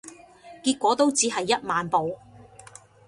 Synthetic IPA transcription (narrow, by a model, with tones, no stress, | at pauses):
kiː˧t̚kʷɔː˨˥t̪o˥wt͡siː˨˥ɦɐ˨jːɐ˥t̚maː˨npo˨˧w